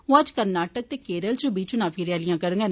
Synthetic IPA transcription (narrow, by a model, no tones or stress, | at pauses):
ɦõːəd͡ʒkəɾnaːʈək̚t̪eːkeːɾəlt͡ʃũbiːt͡ʃũnaːpʰiːɾɪjaːlɪjãːkəɾə̃ŋɡeːn